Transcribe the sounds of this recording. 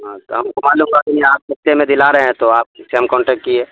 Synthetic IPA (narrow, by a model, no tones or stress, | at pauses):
ɦãt̪o̰ɦɐmkomaːlumkakiniaːp̚sɐt̪ːemẽd̪ɪlaɾɐɦeɦɛ̃t̪oaːp̚seɐmkɔ̃ːɳʈɛːk̚ʈkieː